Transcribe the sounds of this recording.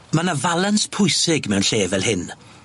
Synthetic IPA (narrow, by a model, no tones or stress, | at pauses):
manavalˠanspʰʊjsɪɡmɛwnɬeːvɛlˠhɪn